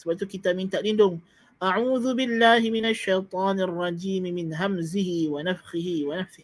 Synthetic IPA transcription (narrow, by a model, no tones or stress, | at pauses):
sbat̪kɪt̪aːbmint̪aʔlɪnd̪ʊm | ʔaʕuːðʊbɪlːaːhɪmɪnaʃːajt̪ˤɑːnɑrˤːɑd͡ʒiːmɪmɪnɦamzɪhɪwanafxɪhɪwanafsɪh